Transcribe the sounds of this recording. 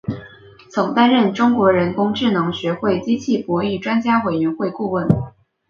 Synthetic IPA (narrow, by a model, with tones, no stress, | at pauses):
t͡sʰɤ˧˥ŋt̪a˥nɻə˥˩nʈ͡ʂʊ˥ŋkwɔ˧˥ɻə˧˥nkʊ˥ŋʈ͡ʂɻ̩˥˩nɤ˧˥ŋɕɥɛ˧˥xwe˥˩ɪt͡ɕi˥t͡ɕʰi˥˩pwɔ˧˥i˥˩ʈ͡ʂwa˥nt͡ɕja˥we˨˩ɪɥɛ˧˥nxwe˥˧ɪku˥˧wə˥˩n